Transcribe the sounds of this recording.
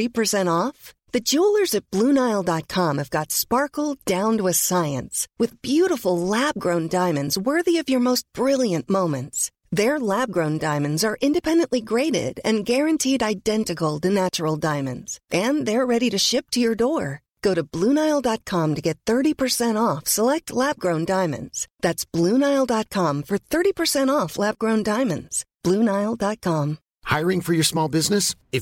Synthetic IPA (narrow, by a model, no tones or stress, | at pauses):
ipʰə˞sɛ̃ɾ̃ɔf | ðɨd͡ʒulˠə˞zɨt̚b̥lũnaɪlˠdɑt̚kʰɑ̃mɨvɡɑtspɑɹkl̩ˠddãʊ̃ntwɨð̥saɪɨ̰̃nswɨðbjʉɾəfl̩ˠlæb̚ɡɹõʊ̃ndãɪ̃mɨ̃ndzwɜ˞ðiʌvjə˞moʊst̚b̥ɹɪlˠjɨ̃nmõʊ̃mɨ̃nts | ðə˞læb̚ɡɹõʊ̃ndãɪ̃mɨ̃ndzə˞ʔɪ̃ndɨpʰɛ̃ndɨ̃nʔliɡɹeɪɾɪ̰ɾɨ̰̃nɡɛɹɨ̃ntʰiɾaɪdɛ̃ntɨkl̩ˠtɨnæt͡ʃə˞l̩ˠdãɪ̃mɨ̰̃ndz̥ʔɨ̃nðə˞ɹɛɾiɾɨʃɪp̚tʰɨjə˞dɔɹ | ɡ̥oʊɾɨblũnaɪlˠdt̚kʰɑ̃mtɨɡɛt̪̚θɜ˞ɾipʰə˞sɛ̃ɾ̃ɔfsəlɛk̚tʰˡlæb̚ɡɹõʊ̃ndãɪ̃mɨ̰̃ndz̥ðætsb̥lũnaɪlˠdɑt̚kʰɑ̃ɱfə˞θɜ˞ɾipʰə˞sɛ̃ɾ̃ɔflæb̚ɡɹõʊ̃ndãɪ̃mɨ̃ndz̥b̥lũnaɪlˠdɑt̚kʰɑ̃m | haɪə˞ɪ̃ŋfə˞jə˞smɔlˠbɪznɨs | ɪ